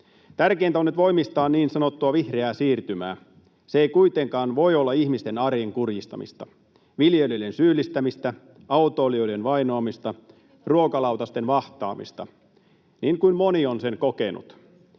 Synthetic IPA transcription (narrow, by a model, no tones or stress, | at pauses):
t̪ærkeiːnt̪æonːyt̪ʋo̞imist̪ɑːnniːnsɑnot̪ːuɑʋihreæːsiːrt̪ymæ̰ː | seejkuit̪eŋkɑːnʋo̞jolːɑihmist̪enɑrjeŋkurjist̪ɑmḭst̪ɑ | ʋiljelilensyːlːist̪æmist̪æ | ɑut̪oːlioijdenʋɑinoɑmist̪ɑ | ruokɑlɑwt̪ɑst̪enʋɑht̪ɑ̰ːmḭst̪ɑ̰ | niːŋkuinmonionseŋkokenṵt̪